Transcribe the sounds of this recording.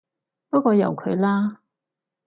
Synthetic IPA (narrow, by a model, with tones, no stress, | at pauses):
pɐ˥t̚kːɔː˧jɐ̰˨wkʰɵ̰˨˧ɥlaː˥